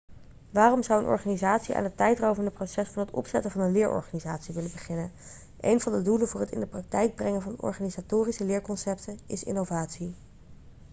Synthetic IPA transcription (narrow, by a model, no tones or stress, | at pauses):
ʋaːrɔmzʌwənʔɔ̰ɹχaːnizaːtsiʔa̰ːnətɛjtrowvəndəprosɛsfɑnətɔ̰psɛtəvɑnənlɪːɹʔɔ̰ɹχaːnizaːtsiʋɪləbəχɪnən | ʔḛjnvɑndədulənvʊːɹɦətɪ̰ndəprɑk̚tɛjɡ̚brɛŋəvɑnɔ̰ɹχaːnizaːtʊːrisəlɪːɹkɔnsɛp̚tənɪ̰sɪ̰novaːtsi